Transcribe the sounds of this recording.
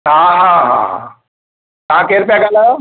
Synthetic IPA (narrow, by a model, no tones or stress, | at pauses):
ɦãɦãɦã̰ | ɦãkeɾpaɡalə